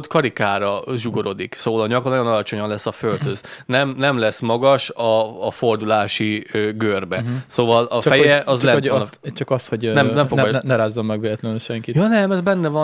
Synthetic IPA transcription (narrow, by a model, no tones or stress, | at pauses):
t̪kɒɾikaːɾɒʒuɡo̞ɾo̞d̪iksoːvɒlɒɲɒknɒjonɒlɒt͡ʃo̞ɲɒnlɛsːɒfølt̪høznɛmnɛmlɛsmɒɡɒʃɒːfo̞rd̪ulaːʃiøɡørbɛsoːvɒlɒfɛjɛʔɒzlɛt͡ʃɒkɒshoɟnɛmnɛmfonnɛɾaːzːɔmːɛɡʋeːlɛt̪lɛnyʃɛŋkitjɒːnɛmɛzbɛnːɛvɒn